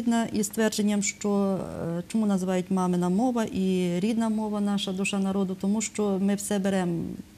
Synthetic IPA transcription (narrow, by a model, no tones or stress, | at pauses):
d̪nɐʔist̪ʋɛrd͡ʒenʲːɐmʃt͡ʃɔt͡ʃɔmunɐzʋɑjʊtʲmɑmɪnɐmɔʋɐʔiɾʲid̪nɐmɔʋɐnɑʃɐd̪uʃɑnɐɾɔd̪ʊt̪ɔmuʃt͡ʃɔmɪwsɛbeɾɛm